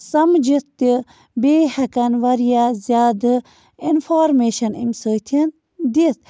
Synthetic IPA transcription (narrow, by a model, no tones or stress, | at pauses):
sɐmd͡ʒit̪i | beːhɐkɐnʋɐɾijazjaːd̪ɨ | infʰaːɾmeːʃɐnḭmʲsəːt̪ʰin | d̪it̪